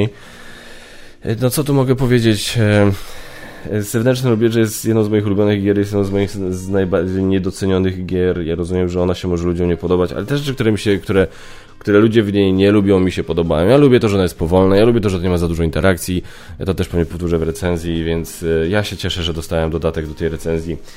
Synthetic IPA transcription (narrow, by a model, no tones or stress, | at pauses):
nɔt̪sɔt̪umɔɡɛpɔvʲjed͡ʑet͡ɕ | z̥ɛvnɛnt͡ʂnɛɾɔbʲjɛʐɛjɛst̪jɛd̪nɔ̃wzmɔjixulubʲjɔnɘɣɡʲjɛɾjɛs̬ɛd̪ɔ̃wzmɔjixznajbaɾd͡ʑejɲɛd̪ɔt̪sɛɲɔnɘɣɡʲjɛɾjaɾɔzumʲjɛmʐɛɔnaɕɛmɔʐɛlud͡ʑɔ̃mɲɛjpɔd̪ɔbat͡ɕa̰lɛt̪ɛʐɛt͡ʂɘk̚t̪uɾɛmʲiɕɛkt̪uɾɛ | kt̪uɾɛlud͡ʑɛvɲejɲɛlubʲjɔ̃w̃mʲiɕɛpɔd̪ɔba̰jɔ̃w̃jalubʲjɛt̪ɔʐɛɔnajɛst̪pɔvɔlnajalubʲjɛt̪ɔʐɛt̪ɔɲɛmazad̪uʐɔint̪ɛɾʔak̚t̪sʲi | t̪ɔt̪ɛʂpɔvɲɛpɔft̪uʐɛvɾɛt̪sɛnzʲjivʲjɛnt̪sjaɕɛt͡ɕɛʂɛʐɛd̪ɔst̪awɛmd̪ɔd̪at̪ɛɡ̚d̪ɔt̪ɛjɾɛt̪sɛnzʲji